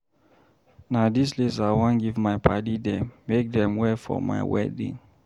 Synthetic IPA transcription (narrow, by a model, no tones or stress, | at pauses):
nadislisawãnɡivmaɪpʰadidɛ̃mːek̚dɛ̃mwɛfɔ̰ma̰ɪwɛ̰dḭ̃ŋ